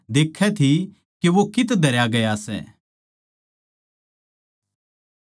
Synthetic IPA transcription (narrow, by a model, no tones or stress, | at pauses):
d̪eːkʰːɛt̪ʰi | keʋokɪt̪d̪ʱɐɾjaɡɐjasɛ̰ː